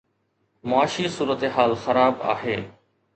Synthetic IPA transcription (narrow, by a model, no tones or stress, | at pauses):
mʊaːʃisuːɾət̪eɦaːlxɐɾaːba̰ːɦeː